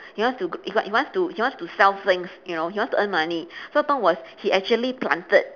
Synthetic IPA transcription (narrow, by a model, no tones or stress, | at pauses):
hiwãnstuɡhiwã̰hiwãnstuhiwãnstusɛlfθɪ̃ŋsjunohiwɔ̃nstuʔə̃nmanisoətɔ̃nwɔshiʔɛk̚t͡ʃuəliplã̰ntət̚